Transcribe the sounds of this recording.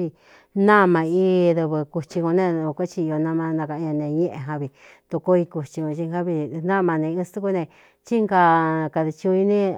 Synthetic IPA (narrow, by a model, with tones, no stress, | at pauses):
i˧ | nã˦˧mã˧i˧˦ðɨ˧βɨ˧ku˧t͡ʃi˧ko˧nẽ˦˧ka˦t͡ʃi˧o˧nã˧mã˧nã˧ka˧ã˧nẽ˧ɲẽ˦ʔẽ˧ɦã˧βi˧ | t̪u˧ko˦i˧ku˧t͡ʃi˧kõ˧t͡ʃi˧ŋha˦βi˧nã˦˧˨mã˧nẽ˧ĩ˦˧st̪u˦ku˧˦˧nẽ˧ | t͡ʃi˦ŋɡa˧˨˧ka˧ði˧t͡ʃi˧ũ˧i˧nĩ˦